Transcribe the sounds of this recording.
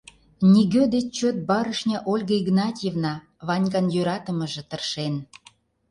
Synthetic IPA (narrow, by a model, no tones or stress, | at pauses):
nʲiɣød̪et͡ɕt͡ɕøt̪̚bɑɾəʃnʲɑʔolʲɣəiɡnɑtʲjevnɑ | βɑnʲɡɑnjøɾɑt̪əməʒĕt̪ərʃen